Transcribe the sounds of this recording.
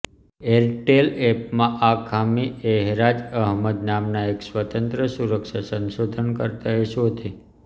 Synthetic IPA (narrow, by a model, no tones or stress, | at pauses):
eɾʈelep̚mãʔakʰamiɛɦɾad͡ʒəɦməd̪namnaeksʋət̪ənt̪ɾəsuɾəkʃasə̃nʃod̪ʱənkəɾt̪aeʃot̪e